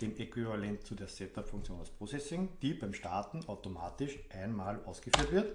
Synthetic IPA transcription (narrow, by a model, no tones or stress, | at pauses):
d̥eːmekʋivalɛntt͡sudeːɐsɛtapfʊŋkt͡sjoːnaspʁ̥ot͡sɛsɪŋd̥iːbæɪmʃtaːtn̩ʔaʊtomaːtɪʃʔæɪnmaːlʔa̰ʊsɡ̥əfyːɐtvɪɐt